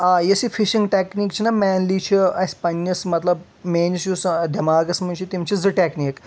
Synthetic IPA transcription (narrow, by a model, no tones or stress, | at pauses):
ajəsifiʃĩŋɡʈekniːkt͡ɕʰinamænlit͡ɕʰiɐspɐnːəsmɐt̪lɐb | mensusɖʱɐmaːɡəsmɐnd͡ʑit̪imt͡ɕid͡zəʈeknik